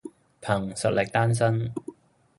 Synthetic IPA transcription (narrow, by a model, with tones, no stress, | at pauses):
pʰɐ˨˩ŋsɐ˨t̚lʔɪ˨k̚t̪aː˥ns̬ɐ˥n